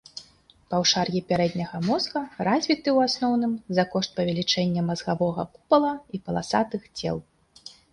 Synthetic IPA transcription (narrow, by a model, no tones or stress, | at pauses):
pɐwʂarjʲipʲaɾɛd̪ʲnʲɐɣɐmɔzɣɐɾazʲvʲit̪ɨwasnɔwnɨmzɐkɔʂt̪̚pɐvʲɛlʲit͡ʂɛnʲːɐmɐzɣavɔɣɐ̰pupɐlˠɐipɐlˠa̰sat̪ɨxt͡sʲɛ̰lˠ